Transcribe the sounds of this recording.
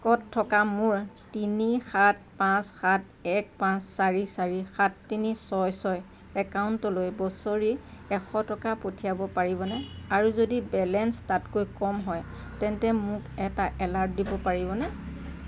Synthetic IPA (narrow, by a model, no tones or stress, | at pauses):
kɔtʰːɔkamʊɹ | tinixat̚ʰpãsxat | ɛk̚pãsːaɹisaɹixatːinisɔjsɔj | ɛkaʊntɔlojbɔsoɹiɛxɔtɔkapotʰijabɔpaɹibɔnɛaɹuzodibɛlɛnstatkojkɔmɦɔjtɛntɛmʊkɛtaʔɛlaɹt̚dibɔpaɹibɔnɛ